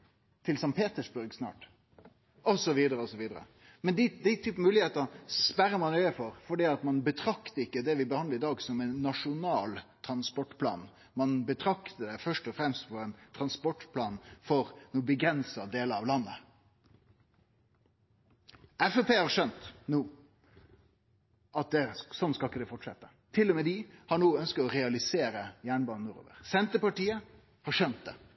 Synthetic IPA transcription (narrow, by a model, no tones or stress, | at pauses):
t̪ʰɪlsɑŋpʰeːt̪əʂbʉɾɡsnɑ̰ːʈ | ɔsɔʋiːd̪əɾəɔsɔʋiːd̪əɾə̰ | mɛnd̪ɪd̪æɪt̪ʰyːpn̩mʉːlɪheːt̪əspæɾəɾmɑnœʏəfɔɾfɔɖiːɑt̪mɑnbət̪ʰɾɑkt̪əɪkːəd̪ɛʋɪbəhɑnd̪əɾɪd̪ɑːɡsɔmɛnːɑʂʊnɑːlt̪ʰɾɑnspɔʈːpʰlɑ̰ːn | mɑnbət̪ʰɾɑkt̪əd̪ɛfœʂʈɔfɾɛmst̪fɔɾɛɪnt̪ʰɾɑnspɔʈːpʰlɑːnfɔɾnuːbəɡɾɛnsɑd̪eːləɾɑʋlɑnːə | ʔɛfɛpeːhɑɾʂœnt̪nuː | ʔɑt̪̚d̪ɛsɔnːskɑlɪkːəd̪ɛfɔʈʂɛt̪ːə | t̪ʰɪlːɔmɛd̪ɪhɑɳuːœnskət̪ɔɾɛɑlɪseːɾəjæːɳbɑːnənʊɾo̰ːʋə̰ɾsɛnt̪əpɑʈiːə | hɑɾʂœnt̪̚d̪ɛ̰